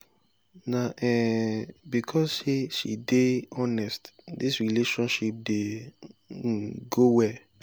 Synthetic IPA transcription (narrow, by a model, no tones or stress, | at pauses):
naʔɛ | bikʰɔseʃḭdeɔnɛstdisɹileʃɔ̃nʃip̚de | ɡowɛ